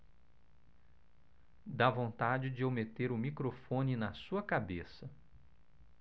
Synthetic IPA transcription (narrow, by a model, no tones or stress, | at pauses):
d̪avõnt̪ad͡ʒɪd͡ʒɪomet̪eɾʊmikɾofõnɪnɐsuɐkabesɐ